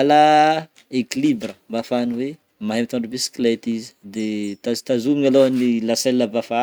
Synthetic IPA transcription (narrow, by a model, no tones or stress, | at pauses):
la | ekilibrəmbafaniwe | maɦemit̪ãɳɖ͡ʐubisi̥kilet̪izi̥d̪et̪azt̪azumiŋaloanilasɛlːəbafa